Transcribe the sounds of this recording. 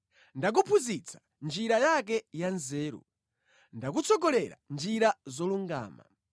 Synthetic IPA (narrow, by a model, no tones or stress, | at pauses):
ndak̬upʰuzit͡sʰḁ | nd͡ʒiɾajak̬ɛjanzɛːɾṵ | ndak̬ut͡sʰɔkɔlɛɾa̰nd͡ʒiɾazɔluŋɡa̰ːma̰